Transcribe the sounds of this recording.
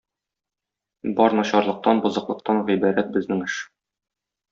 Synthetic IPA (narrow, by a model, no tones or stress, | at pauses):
bɒɾnɒɕɑɾlˠɤ̆q̚t̪ɑnbɤ̆zɤ̆qlˠɤ̆q̚t̪ɑnʁibæɾæt̪̚bɘ̆znɘŋɘʃ